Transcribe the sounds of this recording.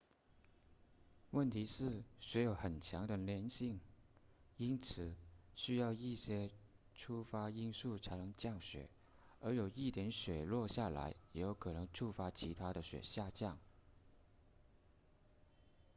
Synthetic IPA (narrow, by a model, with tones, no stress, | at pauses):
wə˥˩nt̪ʰi˧˥ʂɻ̩˥˩ɕɥɛ˧˥jo˧˥ʊxə˨˩nt͡ɕʰjɑ˧˥ŋd̪ə˧ljɛ˧˥nɕi˥˩ŋ | i˥nt͡sʰɹ̩˨˩ɕy˥jɑ˥˧ʊi˥˩ɕjɛ˥ | ʈ͡ʂʰu˥fa˥i˥nsu˥˩t͡sʰa˧˥ɪnɤ˧˥ŋt͡ɕjɑ˥˩ŋɕɥɛ̰˨˩˦ | ə˞˧˥jo˨˩ʊi˥˩t̪jɛ˧˥nɕɥɛ˨˩lwɔ˥˧ɕja˥˩la̰˧˥ɪjɛ˧˥˩jo˧˥ʊkʰɤ˨˩nɤ˧˥ŋʈ͡ʂʰu˥fa˥t͡ɕʰi˧˥t̪ʰa˥d̪ə˨ɕɥɛ̰˨˩ɕja˥˧t͡ɕjɑ˥˩ŋ